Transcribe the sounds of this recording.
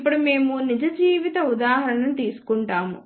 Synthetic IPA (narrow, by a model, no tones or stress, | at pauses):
pːuɽume̞ːmunid͡ʒɐd͡ʒiːʋit̪ɐud̪aːɦɐɾɐɳɐnut̪iːsu̥kuɳʈaːmṵ